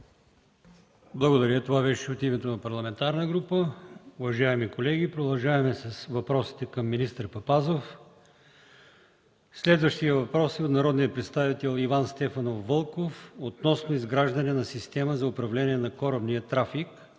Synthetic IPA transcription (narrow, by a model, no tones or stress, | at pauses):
blˠɐɡod̪ɐɾət̪ovabɛʃɛot̪imɛt̪onɐpɐɾlˠɐmɛnt̪aɾnəɡɾupəʊvɐʒaɛmikolɛɡʲipɾod̪ɐlˠʒaɛmɛsɐsvɐpɾɔsi̥t̪ɛkɐmːinist̪əɾpɐpazof | slɛd̪vəʃt̪iəvɐpɾɔsiot̪nɐɾɔd̪nijətpɾɛt̪st̪avit̪ɛlˠivanst̪ɛfɐnofːɤlˠkofot̪nɔsnoizɡɾaʒd̪ɐnɛnɐsist̪ɛməzɐʊpɾɐvlɛniɛnɐkɔɾəbniət̪ɾafik